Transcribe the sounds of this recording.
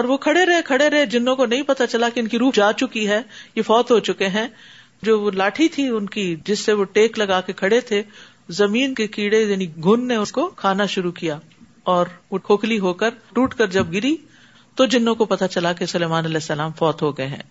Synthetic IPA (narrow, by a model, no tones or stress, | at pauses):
ɔːɾʋokʰɐɽeɾɐɦekʰɐɽeɾɐɦed͡ʒɪnːõkonɐɦĩpɐt̪at͡ʃɐlakeʊnkiɾuːd͡ʒaːt͡ʃʊkiɦɛːjefɔːt̪ɦot͡ʃʊkeɦɛ̃ | d͡ʒoːʋolaːʈʰit̪ʰiʊnkid͡ʒɪsːeʋoʈeːklɐɡaːkekʰɐɽet̪ʰe | zɐmiːnkekiːɽejaːniɡʱʊnːeʊskokʰaːnaʃʊɾukijaː | ɔːɾʋokʰoːkliɦoːkəɾʈuːʈkɐɾd͡ʒɐb̚ɡɪɾi | t̪od͡ʒɪnːõkopɐt̪at͡ʃɐlakesʊleːmaːnɐlɛːsːɐlaːmfɔːt̪ɦoɡɐeɦɛ̰̃ː